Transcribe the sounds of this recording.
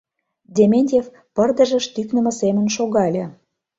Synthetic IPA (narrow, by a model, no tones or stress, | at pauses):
d̪ʲemʲenʲtʲef | pərd̪ə̆ʒə̆ʃt̪yknə̆mɤ̆semə̆nʃoɣɑlʲĕ